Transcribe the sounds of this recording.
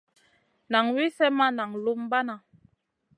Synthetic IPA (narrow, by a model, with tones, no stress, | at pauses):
na˨ŋwi˦sɛ˦ma˦na˨ŋlu˦m˦ba˦na˨